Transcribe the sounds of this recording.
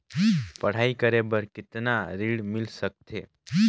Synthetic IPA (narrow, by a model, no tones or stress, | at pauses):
pəɽ̤aikəɾebəɾkit̪naɾiɽmilsək̚t̪ʰe